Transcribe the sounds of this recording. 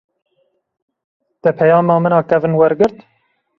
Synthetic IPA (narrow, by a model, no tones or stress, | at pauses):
d̪̥ɛpʰɛjɑːmɑːmɨnɑːkɛvɨnwɛɾɡɨɾt̪